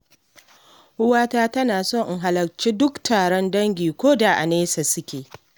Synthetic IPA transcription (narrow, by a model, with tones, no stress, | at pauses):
ʔʊ˦waː˦taː˦tɐ˦naː˨sɔ˦˨ŋʔŋɦa˨lɐ˨k̚t͡ʃeː˦dʊ˦ktʰaː˨ɽɔ˦ndɐ˦ŋɡʲiː˨kʷoː˦da˨ʔa̰˨neː˦sa˨sʊ˦kʲeː˨